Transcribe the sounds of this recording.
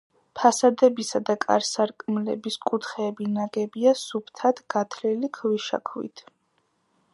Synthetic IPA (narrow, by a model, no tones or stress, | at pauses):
pʰasad̪ɛbisad̪akʼa̰ɾsaɾkʼmlɛ̰biskʼut̪ʰχɛːbinaɡɛbiasupʰt̪ʰad̪ʰɡ̥at̪ʰlilikʰwiʃa̰kʰwḭt̪ʰ